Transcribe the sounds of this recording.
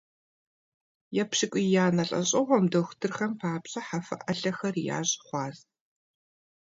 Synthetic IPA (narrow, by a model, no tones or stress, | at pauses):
jɛpɕɪkʷʼijaːnɐɬʼɐ̰ɕʼɪʁʷɔmdɐxʷtʰɨrxɐmpʰaːpɕʼɐħafɐ̰ʔɐɬɐxɐrja̰ːʑχʷɑːz